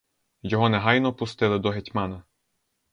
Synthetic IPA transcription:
jɔɦɔnɛɦɑjnɔpʊst̪ɪlˠɪd̪ɔɦetʲmɑnɐ

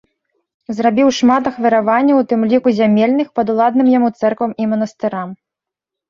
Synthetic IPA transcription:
zrabʲiwʂmat̪ɐxvʲɐɾavanʲːɐwt̪ɨmlʲikuzʲamʲelʲnɨxpɐd̪ulˠad̪̚nɨmjamut̪sɛrkvɐmimɐnɐst̪ɨɾam

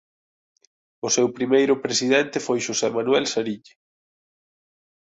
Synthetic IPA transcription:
ʊsɛwpɾimejɾʊpɾesiðɛnt̪ɪfojʃosɛmanuɛlsaɾiʎe

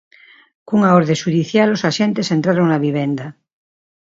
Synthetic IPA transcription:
kuŋaoɾðeʃuðiθjalosaʃent̪esent̪ɾaɾoŋlaβiβend̪a

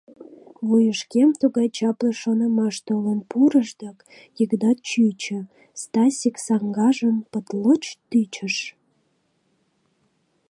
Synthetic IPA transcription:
βujəʃkemt̪uɣɑjt͡ɕɑpləʃonəmɑʃt̪olənpuɾəʃd̪ɑk | jəkd̪ɑt̪̚t͡ɕyt͡ɕə̆ | st̪ɑsʲiksɑŋɡɑʒənpət̪lət͡ɕt̪yt͡ɕəʃ

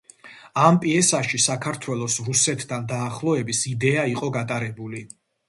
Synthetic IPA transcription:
ampʼiɛsaʃisakʰaɾt̪ʰwɛlˠɔsɾusɛt̪ʰd̪and̪aːχlˠɔɛbisid̪ɛaiqʼɔɡat̪ʼaɾɛbuli

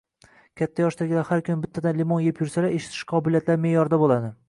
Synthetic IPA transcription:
kʲʰat̪ʰːajɒʃt̪aɡʲɪlahaɾkʰʊnɪbɪt̪ʰːad̪anlimonjepʰjʊɾsalaeʃɪ̥t̪ʰɪ̥ʃqʰɒbɪlijat̪laɾmejɒɾd̪abolˠad̪ɪ

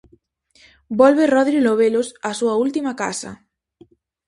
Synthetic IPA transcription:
bɔlβeroðɾiloβ̞elosasuault̪imakasa̰

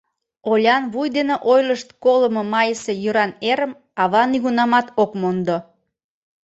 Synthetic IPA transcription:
olʲɑnβujd̪eneʔojləʃt̪̚koləmomɑjəsejøɾɑneɾəm | ɑβɑniɣunɑmɑt̪okmond̪o

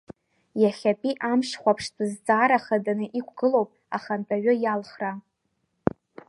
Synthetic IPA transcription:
jaχʲapʼiʔamʂχʷapʰʂtʰʼɨzt͡sʼaːɾaχadanɨʔikʷʰɡɨlo̞wpʼ | aχanbʰʼaɥʊjalχra

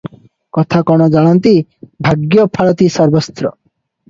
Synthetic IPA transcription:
kɔt̪ʰakɔɽ̃ɔd͡ʒaɭɔnt̪ibʱaɡjɔpʰaɭɔt̪isɔɾbɔst̪ɾɔ

